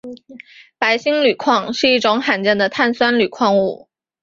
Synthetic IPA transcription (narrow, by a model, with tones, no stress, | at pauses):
pa˧˥ɪɕi˥ŋly˨˩kʰwɑ˥˧ŋʂɻ̩˥˧i˥˩ʈ͡ʂʊ˧˥ŋxa˨˩nt͡ɕɛ˥˩nd̪ə˩t̪ʰa˥˩nswa˥nly˨˩kʰwɑ˥˧ŋu˥˩